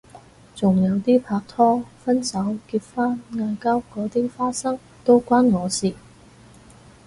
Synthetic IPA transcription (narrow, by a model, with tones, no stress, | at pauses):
t͡sʊ˨˩ŋjɐ˨˧wt̪iː˥pʰaː˧k̚t̪ʰɔː˥fɐ˥nsɐ˨˥wkiː˧p̚faː˥nŋaː˧jkɐ˥wkɔː˨˥t̪iː˥faː˥sɐ˥ŋ | t̪o˥wkʷaː˥nŋɔː˨˧siː˨˩